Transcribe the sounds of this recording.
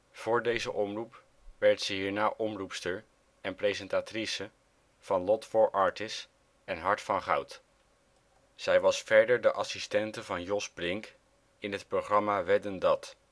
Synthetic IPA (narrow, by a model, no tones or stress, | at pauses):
v̥ʊːɹdejzə̰ʔɔmrup | ʋɛɹtsəɦiːɹnaːʔɔmrupstəɹ | ɛnprejzɛntaːtrisə | v̥ɑnlɔtfʊɹʔɑːɹtɪs | ɛnɦɑɹtfɑnχɑ̰wt | z̥ɛjʋɑsfɛɹdəɹdəʔɑsistɛntəvɑnjɔsblɪŋk | ɪnɦətproχrɑmaːʋɛdəndɑt